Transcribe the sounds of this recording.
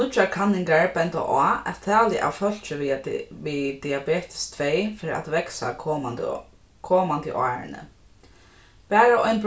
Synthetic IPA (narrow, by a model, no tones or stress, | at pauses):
ʊt͡ʃːakʰanːɪŋkaɹpɛnt̪a̰ʔɔːɛ̰t̪ʰːɛːlɪʔa̰wfœl̥t͡ʃɪʋid̪ɪabeːt̪ɪ̥st̪ʰvejfɪːɾʔa̰t̪ʋɛksa̰ | kʰɔːmant̪ɪ̰ʔɔ̰a̰ːɹɪ̰nə̰ | pɛːɾaʔɔjnb